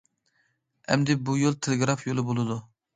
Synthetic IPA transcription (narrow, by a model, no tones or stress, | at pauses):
ɛ̰md̪ɪbujolˠt̪ʰelˠɪɡɾɑfjolˠɨbolˠɨd̪u